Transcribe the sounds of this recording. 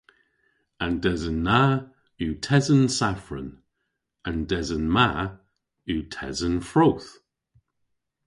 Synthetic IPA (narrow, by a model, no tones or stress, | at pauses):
andɛzənːa | uːtʰɛzənsafɹə̰n | andɛzənma | uːtʰɛ̰zənfɹowθ